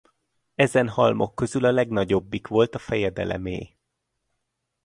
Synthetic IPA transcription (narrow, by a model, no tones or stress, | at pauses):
ɛzɛnhɒlmo̞kːø̞zylɒlɛɡn̪ɒɟo̞bːikʋo̞lt̪ɒfɛjɛd̪ɛ̰lɛ̰mḛː